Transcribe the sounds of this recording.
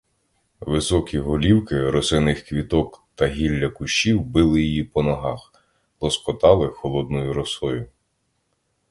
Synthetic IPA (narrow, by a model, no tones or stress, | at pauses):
ʋɪsɔkʲiɦʊlʲiwkɪɾɔsɪnɪxkʋʲit̪ɔkt̪ɐɦʲilʲːɐkʊʃt͡ʃiwbɪlˠɪjijipɔnɔɦɑx | lˠɔskɔt̪ɑlˠɪxɔlˠɔd̪̚nɔjʊɾɔsɔjʊ